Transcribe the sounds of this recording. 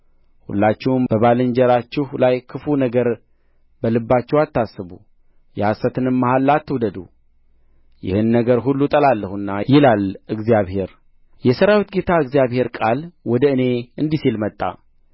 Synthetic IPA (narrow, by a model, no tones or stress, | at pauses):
hṵlːat͡ʃːɛwmb̥əβalɨɲd͡ʒɛɾat͡ʃːɛhlajkʰɨfunəɡəɾ | bəlɨbːat͡ʃːɛwat̪ːasːɨβu | jɛhasət̪ʰɨnɨmːahalːat̪ʰːɨwd̪əd̪ṵ | jɪ̰hɨnːəɡəɾɦulːut̪ʼəlalːəhuɨnːajɪlalɨɡzijaβhe̞ɾ | jɛsəɾawit̪ɡe̞t̪ʰaɨɡzijaβhe̞ɾkʼalwɔd̪əɨne̞ɨnd̪isilmət̪ʼːa̰